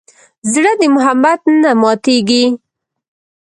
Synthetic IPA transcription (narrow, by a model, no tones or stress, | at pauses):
zɽəd̪əmʊɦabat̪namɑt̪eɡi